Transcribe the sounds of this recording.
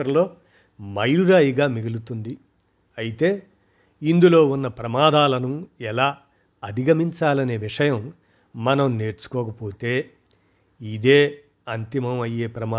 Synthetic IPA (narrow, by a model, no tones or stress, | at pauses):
ɐɾlo̞ː | mɐjluɾaːjiɡaːmiɡulut̪und̪i | ɐjit̪e̞ː | ind̪ulo̞ːunːɐpɾɐmaːd̪aːlɐnuɛlaː | ɐd̪ʱiɡɐmiɲt͡ʃaːlɐne̞ːʋiʂɐjɐmː | ɐnɐmne̞ːɾt͡ʃu̥kɔːkɐpo̞ːt̪e̞ː | id̪eː | ɐnt̪imɐmɐjːeːpɾɐmaː